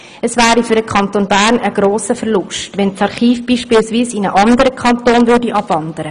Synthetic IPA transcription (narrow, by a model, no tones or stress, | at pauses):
əsvæːɾifʏɾdəkʰχɑnt̪onbæːɾnəɡ̥ɾoːsəfɛrlʊʃtʋɛnsɑɾχiːfb̥iːʃpiːlsʋiːsinəʔɑnd̪əɾəkʰχɑnt̪oːnvʏdiʔɑb̥vɑnd̪əɾə